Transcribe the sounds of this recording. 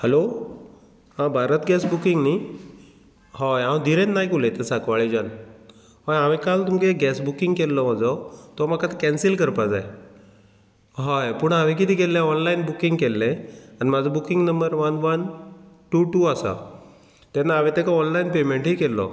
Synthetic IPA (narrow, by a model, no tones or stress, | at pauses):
hɛlo | hãbʱaɾət̪ɡɛsbukiŋɡni | hajãwd̪ʱiɾenːajkulẽt̪esakʋaɭid͡ʑan | ɦajaʋẽkalt̪umkeɡɛsbukiŋɡkelːɔmad͡zʱɔt̪ɔmakat̪kɛnsilkəɾpad͡zaj | ɦajpuɳaʋẽk̬it̪iːkelːeɔnlainbukiŋɡkelːẽanimad͡zʱɔbukiŋɡnəmbəɾʋənʋənʈuʈuasa̰ | t̪jɛnːaːʋet̪ɛkaɔnlainpemeɳʈɦikelːɔ̰